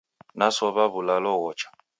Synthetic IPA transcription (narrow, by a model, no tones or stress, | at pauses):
nasɔβaβulalɔɣɔt͡ʃḁ